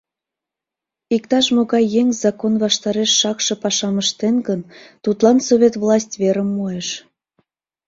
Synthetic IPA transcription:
ikt̪ɑʃmoɣɑjːeŋʲzɑkonvɑʃt̪ɑɾeʃːɑkʃɤ̆pɑʃɑməʃt̪enɡənt̪ut̪lˠɑnsoβʲet̪vlˠɑsʲtʲβeɾəmːojeʃ

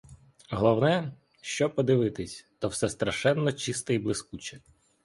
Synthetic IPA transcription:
ɦɔlˠɔwnɛ | ʃt͡ʃɔpɔd̪ɪʋɪt̪ɪsʲt̪ɔwsɛst̪ɾɐʃɛnːɔt͡ʃist̪ɛiblˠɪskut͡ʃɛ̥

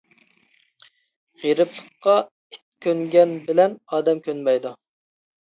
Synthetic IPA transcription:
ʁiɾɪplˠəqːɑ | i̥t̪̚kʲʰːøŋɡʲɛnbɪlɛnɑːd̪ɛmkʲʰønmɛjd̪u

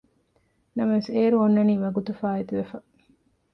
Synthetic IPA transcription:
nɐmɐʋeseːɾuonːɐniːʋɐɡut̪ufaːet̪uʋefɐ

